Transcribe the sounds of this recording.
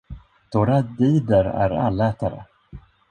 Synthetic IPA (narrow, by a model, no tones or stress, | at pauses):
d̪̥oːɾad̪iːd̪əɾæ̰ɾa̰lːɛːt̪aɾə̰